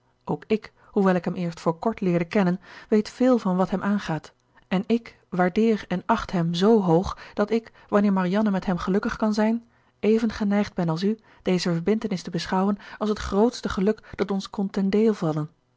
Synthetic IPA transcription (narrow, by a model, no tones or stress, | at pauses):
ʔowkɪk | hɦuʋɛlˠɪkɦɛmɪːɹstfʊːɹkɔɹtlɪːɹdəkɛnənʋejtfɪːlˠvɑnʋɑtɦɛmʔaːnχaːt | ɛnɪk | ʋaːɹdɪːɹɛnɑχtɦɛmzowɦowχd̥ɑtɪk | ʋɑnɪːɹmɑrijɑnəmɛtɦɛmχəlɵkəχkɑnzɛjn | ejvənχənɛjχd̚bɛnɑlˠs̬y | d̥ejzəvəɹbɪntənɪstəbəsχɑwənɑlˠsɦətχrowtstəχəlɵkd̥ɑtɔnskɔntɛndeːlˠvɑlən